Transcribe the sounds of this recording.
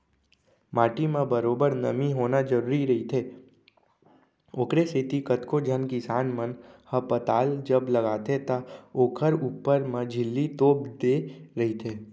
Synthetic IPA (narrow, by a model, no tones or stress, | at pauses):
maːʈimẽbəɾoːbəɾnə̰miɦoːnad͡ʒəɾuːɾiɾɐɦit̪ʰeː | oːkɾesɪt̪ikət̪kod͡ʒʱənkɪsaːnmənhəpət̪aːld͡ʒəbləɡaːt̪ʰet̪aoːkʰəɾuːpəɾmẽd͡ʒʱɪlːit̪oːbd̪eːɾɐɦit̪ʰeː